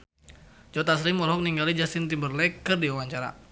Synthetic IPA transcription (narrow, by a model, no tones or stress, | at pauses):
d͡ʒɔt̪asɾimɔlɦɔk̚niŋɡalid͡ʒasint̪imbərlɛkərdiwawaɲt͡ʃaɾa̰